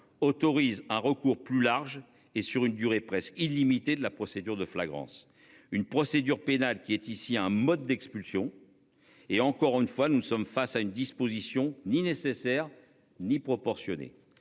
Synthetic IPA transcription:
ɔt̪ɔʁizɛ̃ʁəkuʁplylaʁʒ | esyʁynd̪yʁepχɛskilimit̪ed̪əlapχɔsed̪yʁd̪əflaɡʁɑ̰̃s | ynpχɔsed̪yʁpenalkʲiɛt̪isiɛ̃mɔd̪ːɛkspylsjɔ̃ | eɑ̃kɔʁynfwanunəsɔmfasaynd̪ispozisjɔ̃ninesesɛʁ | nipχɔpɔʁsjɔnḛ

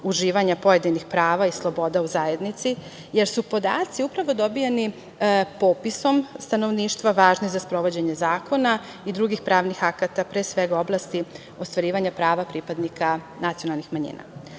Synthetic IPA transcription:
uʒiːʋaɲapo̞je̞d̪inixpɾaːʋaislˠo̞bo̞d̪auzae̞d̪nit̪si | je̞ɾsupo̞d̪a̰ːt̪siupɾaʋo̞d̪o̞bijeni | po̞piso̞mst̪ano̞ʋniːʃt̪ʋaʋaːʒnizaspɾo̞ʋo̞d͡ʑeɲe̞zaːko̞na | id̪ɾuɡixpɾaːʋnixakat̪apɾeːsʋeɡao̞blˠast̪i | o̞st̪ʋaɾiːʋaɲapɾaːʋapɾipad̪nikʰa | nat̪sionalˠnixmaɲḭna̰

